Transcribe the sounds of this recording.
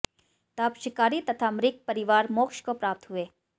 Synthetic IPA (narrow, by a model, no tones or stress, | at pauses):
t̪apʃɪkaːɾit̪ɐt̪ʰamɾɪk̚pɐɾɪʋaːɾmoːkʃkopɾaːp̚t̪ɦueː